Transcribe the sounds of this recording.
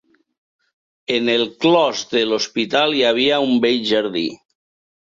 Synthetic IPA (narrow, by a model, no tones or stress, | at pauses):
enelˠklɔzðelospit̪aliaβ̞iaumbejʒaɾðḭ